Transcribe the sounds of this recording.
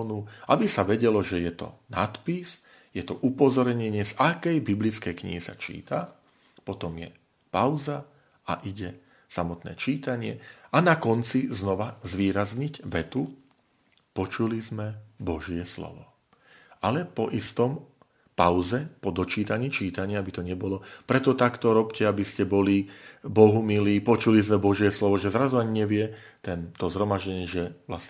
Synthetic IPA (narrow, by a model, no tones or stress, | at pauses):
nuabisaʋɛɟɛlɔʒɛjɛt̪ɔ̰na̰t̪pis | jɛt̪ɔʔupɔzɔɾɲɛɲɪɛzakɛjbiblit͡skɛjkɲḭɦisa̰t͡ʃḭːt̪a | pɔt̪ɔmjɛ̰ | paʊza | a̰ʔiɟɛ | samɔt̪nɛ̰ːt͡ʃiːt̪aɲɪɛanakɔnt͡siznɔʋazʋiːɾazɲiɟʋɛt̪u | pɔt͡ʃulizmɛbɔʒɪɛslɔ̰ʋɔ | alɛpɔʔist̪ɔm | paʊzɛpɔd̪ɔt͡ʃiːt̪aɲiːt͡ʃiːt̪aɲɪaabit̪ɔɲɛbɔlɔpɾɛt̪ɔt̪akt̪ɔɾɔpcɛabiscɛbɔlibɔɦumiliːpɔt͡ʃulizmɛbɔʒɪɛslɔʋɔʒɛzɾazuaɲiɲɛʋɪɛt̪ɛnt̪ɔzɦɾɔmaʒɟɛɲɪɛʒɛʋlas